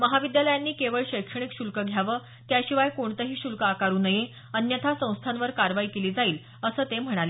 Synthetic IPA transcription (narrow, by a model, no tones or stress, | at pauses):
məɦaʋid̪jaləjanːiːkeʋəɭɕəjkʂəɳ̃ikɕulkəɡʱjaʋəː | t̪jaɕiʋajkoɳt̪əɦiːɕulkəakaɾuːnəje | ənjət̪ʰasə̃w̃st̪ʰanʋəɾkaɾʋaiːkeliːd͡zaiːl | əsəːt̪em̤əɽ̃ale